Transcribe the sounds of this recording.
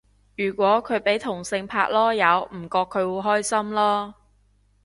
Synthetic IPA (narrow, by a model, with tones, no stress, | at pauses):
jyː˨˩kʷɔː˨˥kʰɵ˨˧ɥpe˨˥jt̪ʰʊ˨˩ŋsɪ˧ŋpʰa̰ː˧k̚lɔː˥jɐ˨˧wm̩˨˩kɔː˧kʰːɵ˨˧ɥwuː˨˧ɦɔː˥jsɐ˥mlɔː˥